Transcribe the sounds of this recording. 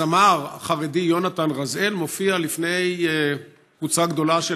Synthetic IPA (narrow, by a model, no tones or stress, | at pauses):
amaʁχaʁedijo̞nat̪anʁaze̞lmo̞fialifne̞j | vut͡saɡd̪o̞laʃe